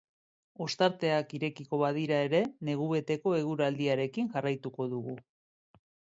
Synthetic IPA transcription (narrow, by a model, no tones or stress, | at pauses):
o̞st̪aɾt̪e̞akiɾe̞kiko̞βaðiɾae̞ɾe̞ne̞ɣ̞uβe̞t̪e̞ko̞e̞ɣ̞uɾald̪iaɾe̞kinʝarajt̪uko̞ðuɣu